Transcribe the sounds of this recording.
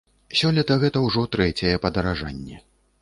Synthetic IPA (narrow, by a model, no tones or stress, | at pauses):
sʲɔlʲɐt̪ɐɣɛt̪ɐwʐɔt̪ɾɛt͡sʲɐjɛpɐd̪ɐɾaʐa̰nʲːɛ